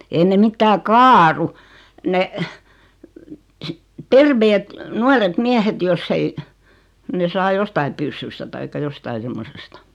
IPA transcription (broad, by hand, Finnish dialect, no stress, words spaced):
ei ne mitːæː kɑːru ne terʋeːt nuɑret miæhet josː ei ne sɑː jostɑi pysːystɑ tɑikːɑ jostɑi semːosestɑ